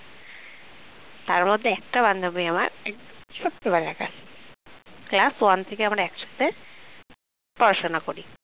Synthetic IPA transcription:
t̪aɾmod̪ʱːeɛk̚ʈaband̪ʱabiama̰ɾɛk̪̚fokʈoβaɾeɾaka̰ʃ | klaswant̪ʰekeamaɾɛkʃḁt̪e | pɔɾaʃonakoɾi

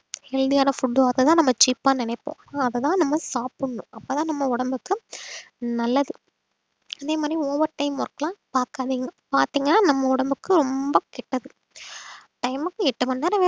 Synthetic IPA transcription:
hɛɻðɪjaːnɐfʊɖːoːɐðɐt̪ãːnɐmːɐt͡ʃiːpːaːnɪnɐɪpːõ̰ːnaɐðɐt̪ãːnɐmːɐsaːpɯɳːʊ̃ɐpːoːt̪ãːnɐmːɐʊɽɐmbɯkːɯ | nɐlːɐðɯ | ɐðeːmaːd̪ɾiɔːʋɐɾʈɐɪmɔɾɯkːɐlãːpaːɾkaːðiːŋɡɐpaːɾt̪iːŋɡɐnːaːnɐmːɐʊɽɐmbɯkːɯɾɔmbɐkɛʈːɐðɯ | ʈɐɪmɯkːɯɛʈːɐmɐnːeːɾɐʋeː

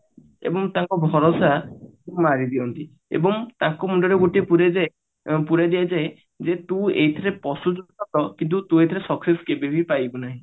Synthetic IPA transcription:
ḛbɔŋt̪ãŋkɔbʱɔɾɔsat̪uŋmaɾid̪iɔnt̪i | ḛbɔŋt̪ãŋkɔmuɳɖɔɾeɡoʈiepuɾed͡ʒa | puɾad̪ijad͡ʒaj | d͡ʒet̪ũḛɦit̪ʰɔɾepɔsud͡ʒudnɔt̪ɔkint̪ut̪ũeit̪ʰɔɾesɔkseskebibʱipajbɔnaɦĩ

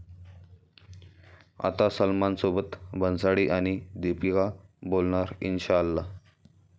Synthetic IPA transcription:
a̰t̪asəlmansobət̪bʱənsaɽiːʔaɽ̃id̪epikabolɳaɾḭnɕalːa

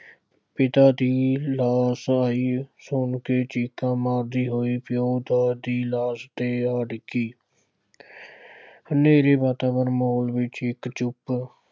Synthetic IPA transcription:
pɪt̪aːd̪iːlaːsaːiːsʊɳkeːt͡ʃiːkãːmaːɾd̪iːɦoːiːpjoːd̪aːd̪iːlaːst̪eːaːɖkiː | neːɾeːbaːt̪aːʋəɾmoːlʋɪt͡ʃɪkt͡ʃʊp

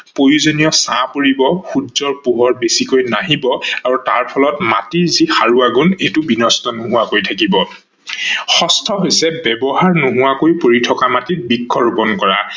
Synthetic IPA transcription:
pojuzonijɔsãpoɹibɔxudzɔɹpuɦɔɹbesikojnaɦibɔaɹuta̰ɹpʰɔlɔtma̰tiɹzixaɹuaɡunejtʊbinɔstɔnoɦuakojtʰakibɔ | xɔstʰɔɦojsɛbɛbɔɦaɹnoɦuwakojpoɹitʰɔkamatit̚bikʰːɔɹupɔnkɔɹa̰

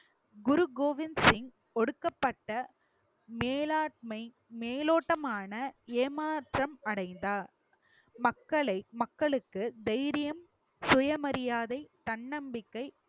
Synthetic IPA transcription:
ɡʊɾʊɡoːʋɪnsɪŋ | ɔɽɯkːɐpːɐʈːɐ | meːlaːʈ̚mɐɪ | meːloːʈːɐmaːnɐeːmaːʈrɐmɐɽɐɪnd̪aː | mɐkːɐɭɐɪmɐkːɐɭɯkːɯd̪ɛjɾɪjɐm | sʊjɐmɐɾɪjaːðɐɪt̪ɐɳːɐmbɪkːɐɪ

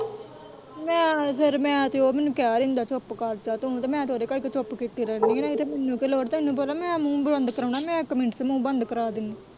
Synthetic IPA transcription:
mɛ̃ːsəɾmɛ̃ːt̪eoːmɛːnũːkɛːɾnd̪aːt͡ʃopkaɾt͡ʃaːt̪ʊ̃t̪eːmɛ̃ːt̪ʰoːɾeːkəɾkeːt͡ʃopkiːt̪iːɾɛːniːnaːɪt̪emɛːnːũːkeloːɾt̪emeːnːũːpəlaːmɛ̃ːmũːbɾənd̪kəɾaːɳaːmɛ̃ːkəmẽɳʈseːmũːbənd̪kəɾaːd̪ɪniː

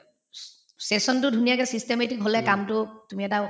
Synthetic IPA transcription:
sesɔntʊdʱunijakɛsistemetikɦolɛkamtʊtumiɛta

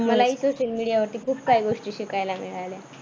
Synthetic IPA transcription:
məlaisoɕəlmiɽijaʋəɾt̪iːkʰuːpkaiɡoʂʈiːɕikajlamḛɭala

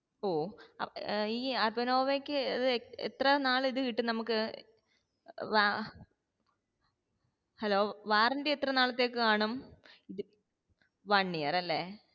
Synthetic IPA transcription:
oː | iːɐrbɐno̞ːʋekʲːɨɐðɨḛt̪rɐnaːɭiðɨkiʈːɨnɐmukːɨ | ʋa | hɐlo̞ːʋaːrindeet̪rɐnaːɭɐt̪ːe̞ːkːɨkaːɳum | ʋɐɳːijɐrɐlːe̞ː

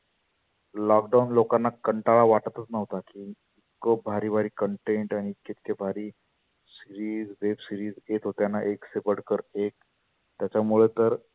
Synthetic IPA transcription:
lɔkɖaunlokanːakəɳʈaɭaʋaʈət̪ət͡snəʋt̪akiː | i | kobʱaɾiːbʱaɾiːkəɳʈeɳʈañiːkːet̪kebʱaɾiː | siɾiːd͡zdepsiɾiːd͡zet̪ɦot̪janːaʔeksepəɽkəɾek̚ | t̪jat͡ɕamuɭet̪əɾ

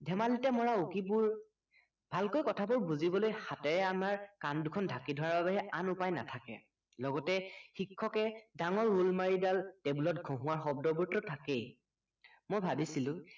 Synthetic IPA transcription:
dʱɛmalitɛmɔɹaukibʊɹ | b̥ʱalkojkɔtʰabuɹbuzibɔlojxatɛɹɛamaɹkandukʰɔndʱakidʱɔwaɹbabɛɦɛanʊpajna̰tʰakɛ̰ | lɔɡɔtɛxikʰːɔkɛdaŋɔɹːulmaɹidaltɛbulɔt̚ɡʱõɦʊ̃aɹxɔb̚dɔbuɹtɔtʰakej | mojbʱabisilʊ̃

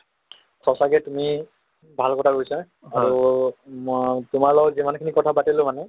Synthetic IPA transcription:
sɔsaɡɛtumi | bʱalkɔtʰakojsa | aɹu | tʊmaɹlɔɡɔtzimankʰinikɔtʰabatilʊ̃manɛ

